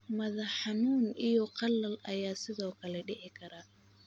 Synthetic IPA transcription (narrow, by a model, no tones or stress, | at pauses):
mɐðɐħɑnuːnijɔqɑlːɐlɐjaːsɪðɔːkʰɐlɛɖɪʕɪkʰɐɾaː